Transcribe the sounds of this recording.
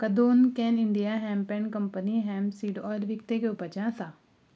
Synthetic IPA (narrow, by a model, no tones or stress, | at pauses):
kəd̪oːnkɛnɪɳɖijaːɦɛːmpɛ̃ːnkəmpəniɦɛːmsiːɖɔːlʋɪkt̪ekeʊpəd͡ʒãsaː